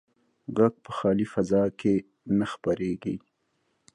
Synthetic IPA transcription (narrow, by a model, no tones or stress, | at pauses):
ɡak̚pəxɑːlifɐzɑːke | nexpəɾeɡi